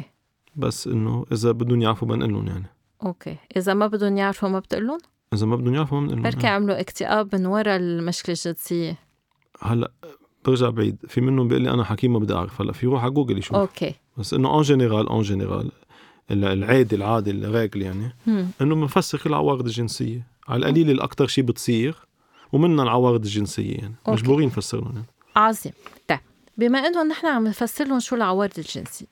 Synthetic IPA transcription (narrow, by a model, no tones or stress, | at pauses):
e | ba̰sːʔɪ̰nːo̰ʔɪzabɪd̪ːunjaʕɾfumɪ̰nʔɪ̰lːʊ̰nja̰ʕni | ʔokḛʔɪzamabɪd̪unjaʕɾfumabɪt̪ʔɪ̰lːʊn | ʔɪzamabɪd̪ːunjaʕɾfumamɪnʔɪ̰lːaɾkiaʕmluʔɪkt̪ɪʔaːbmɪnwɑɾˤɑlmaʃklɪʒːɪd̪sɪjːe | halːa̰ʔ | b̥ɪɾʒaʕbʕḭːd̪fimɪnːʊmbʔɪ̰lːiʔa̰naħakiːmːabɪd̪ːiʔa̰ʕɾɪfhalːa̰ʔfiɾuːħaɡuːɡɪlːiʃuːoke | basːʔɪ̰nːoʔãːʒeneɾaːlʔã̰ːʒenḛɾa̰ːl | ɪllʕeːd̪ilʕaːd̪ilɾeːɡljaʕniʔɪnːobɪnfasːɪɾɪlʕa̰wɑːɾɪd̪ɪlʒɪnsɪ̰jːe | ʕa̰lʔa̰liːlɪlʔa̰kt̪ɑɾˤʃiːbɪt̪sˤiːɾ | wmɪnːalʕawɑːɾɪd̪ɪlʒɪnsɪ̰jːḛja̰ʕnimaʒbuːɾiːnːfasːɪ̰ɾlʊ̰njaʕni | ʕɑzˤiːmt̪eb | bɪmaʔɪnːʊnːʔɪħnamɪnfasːɪɾʊnʃuːlʕawɑːɾɪd̪ɪlʒɪ̰nsi